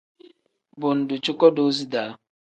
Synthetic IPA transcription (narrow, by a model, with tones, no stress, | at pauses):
bʊ˨n̩˨dʊ˨t͡ʃʊ˦kɔ˦do˦zi˦da˨˦